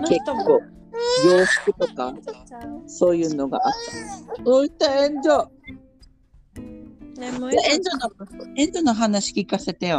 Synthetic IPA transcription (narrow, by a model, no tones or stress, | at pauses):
ke̞kkːoː | ijo̞ːɕi̥kɯ̟t̪o̞ka | so̞ːjɯ̟ːno̞ɡa̰ʔat̪ːaoit̪ːaẽnd̪o | aẽnd̪onoẽnd̪onoɦanaɕi̥kʲikase̞t̪ejo